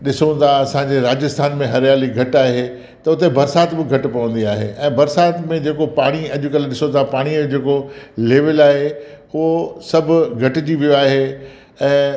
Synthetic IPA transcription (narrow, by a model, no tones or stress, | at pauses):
ɗɪsoə̃nt̪ʰaɐsãɲd͡ʑeɾaːd͡ʑɪst̪ʰaːnmẽɦɐɾjaːliɡʱɐʈaːɦe | t̪ɐʊt̪ebɐɾsaːt̪bɪɡʱɐʈpɐʋə̃n̆d̪iaːɦḛʔɛ̃ːbɐɾsaːt̪mẽd͡ʑeːkopaːɽ̃iɐʄʊkɐlɗɪsõt̪ʰapaːɽ̃iod͡ʑeːkoleːʋɪlaːɦe | ʊosɐbʱʊ̆ɡʱɐʈɪd͡ʑiʋijoaːɦe | ɛ̃ː